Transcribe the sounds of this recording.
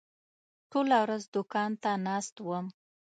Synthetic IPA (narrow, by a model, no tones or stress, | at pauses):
ʈʰolawɾazd̪ʊkɑnt̪anɑst̪wəm